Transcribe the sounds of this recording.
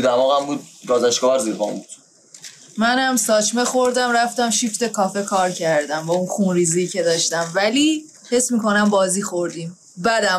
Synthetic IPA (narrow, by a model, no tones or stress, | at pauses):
d̪æmɒːɣæmbuːd̪̚bɒːzæʃkɒæɾziɾbɒ̰ːmbuːd̪̥ | mænhæmsɒːt͡ʃʰme̞xoɾd̪æmɾæft̪æmʃift̪e̞kʰɒːfe̞kʰɒːɾcʰæɾd̪æmbɒunxunɾiːzicʰe̞d̪ɒːʃt̪æmvæli | hesmiko̞næmbɒːziːxo̞ɾd̪im | bæd̪æm